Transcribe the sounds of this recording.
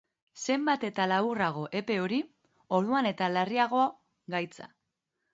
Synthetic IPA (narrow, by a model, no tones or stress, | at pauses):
se̞mbat̪e̞t̪alaβuraɣ̞o̞ʔe̞pe̞o̞ɾi | o̞ɾðuane̞t̪alariaɣ̞o̞a | ɡajt͡sa̰